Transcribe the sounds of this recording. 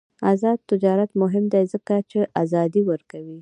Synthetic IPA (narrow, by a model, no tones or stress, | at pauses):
azɑd̪̚t̪ɪd͡ʒɑɾat̪mʊɦɪmd̪ajzəkat͡ʃeʔazɑd̪iwəɾkawi